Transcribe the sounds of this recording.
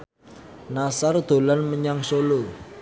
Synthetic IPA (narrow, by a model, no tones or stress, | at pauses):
nasard̪̥o̤lanməɲaŋsolo